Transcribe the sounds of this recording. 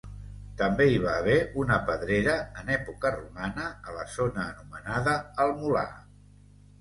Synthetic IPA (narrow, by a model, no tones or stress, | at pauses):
t̪əmbeiβ̞aːβ̞ɛunəpəðɾeɾəːnɛpukərumanəələzonəːnumənaðəːlˠmula̰